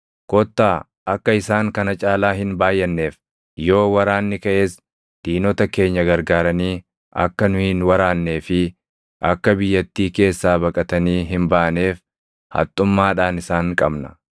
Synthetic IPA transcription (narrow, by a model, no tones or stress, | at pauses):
kɔt̪ːaː | ɐkːɐɪsaːŋkɐnɐt͡ʃʼaːlaːɦɪnbaːjːɐnːe̞ːf | jo̞ːwɐɾaːnːɪkɐʔe̞ːs | d̪̥iːnɔt̪ɐke̞ːɲːɐɡɐɾɡaːɾɐniː | ʔɐ̰kːɐnʊhiːnwɐɾaːnːe̞ːfɪ | ʔɐkːɐbɪjːɐt̪ːiːke̞ːsːaːbɐkʼɐt̪ɐniːɦɪmbaʔɐne̞ːf | hɐ̰t̪ʼːʊmːaːᶑaːnɪsaːŋkʼɐbnɐ̥